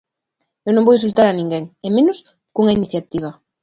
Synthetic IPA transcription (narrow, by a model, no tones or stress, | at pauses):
ewnõŋbowjs̬ult̪aɾɐnĩŋɡeŋemenʊs | kuŋɐiniθjat̪iβ̞ɐ